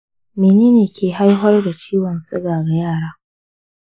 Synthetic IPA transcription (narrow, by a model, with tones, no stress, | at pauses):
meː˨niː˦neː˨kʲʰeː˨ɦa˦jɦɔ˦rda˨t͡ʃiː˦wɔ˨nsʼɪ˦ɡaː˨ɡa˨jaː˦˨ɽaː˦